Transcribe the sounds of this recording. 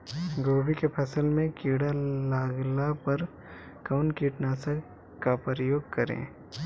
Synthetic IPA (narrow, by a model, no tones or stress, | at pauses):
ɡoːbikepʰɐsəlmẽkiːɽalaːɡlapɐɾ | kaʊnkiːʈnaːsək | kapəɾəjoːɡkɐɾḛ̃ː